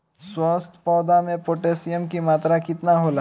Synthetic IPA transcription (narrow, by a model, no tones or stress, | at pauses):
swɔːst̪ʰpɔːd̪amẽpoːʈeːsijəmkimaːt̪ɾakɪt̪naɦoːla